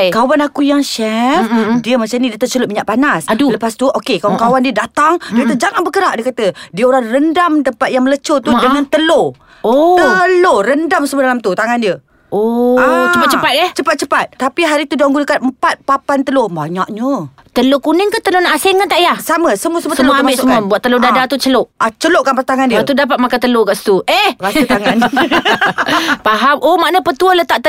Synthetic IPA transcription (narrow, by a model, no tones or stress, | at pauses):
kawanakujaŋʃɛfdiəmat͡ʃanidət̪ət͡ʃəlʊt̪̚miɲaʔ̚panasaduləpast̪uʔokekawankawandiədat̪aŋd͡ʒait̪ud͡ʒaŋanbəkəɾaʔdiəkat̪ədiəoɾaŋrəndamt̪əmpat̪̚jaŋmələt͡ʃot̪udəŋant̪əlo | oəloɾəndamsəmuədalamt̪ut̪aŋandiə | ot͡ʃəpat̚t͡ʃəpat̪̚ɛt͡ʃəpat̪̚t͡ʃəpat̪̚t̪apiɦaɾit̪uduaŋɡunəkanəmpat̪̚papant̪əloba̰ɲaʔɲə | t̪əlokunɪŋkat̪əlonaʔasɛŋkant̪aʔjahsaməsəmuəsəmuəsəambiʔssəmuəbuatʔt̪ːəlodadat̪ut͡ʃəloʔʔat͡ʃəloʔkanpat̪aŋandit̪udap̬at̪̚makat̪əlokaʔsə̥t̪uʔehɾasut̪aŋn | paɦamʔomaʔnəpət̪uələt̪aʔt̪